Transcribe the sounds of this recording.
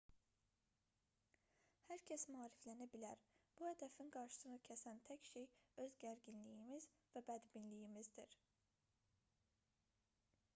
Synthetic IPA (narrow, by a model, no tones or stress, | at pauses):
hæɾcʰæsmɑːɾiflænæbilæɾb̥uhæd̪æfinɡɑɾʃɯ̥sɯnɯcʰæsænt̪ʰæcʃejøzɟæɾɡinlijimiz | væbæd̪binlijimizd̪iɾ̥